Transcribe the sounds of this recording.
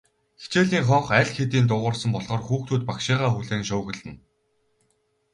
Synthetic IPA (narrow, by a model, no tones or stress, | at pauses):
xe̥t͡ɕeːɮiːŋχɔɴχæɮʲxet̪iːnt̪ʊʁʊːrsə̆mpɔɮʁɔːrxuːxt̪ʰuːt̪̚pakʃiːʁaːxuɮeːŋʃʊːɣɘ̆ɮɘ̆n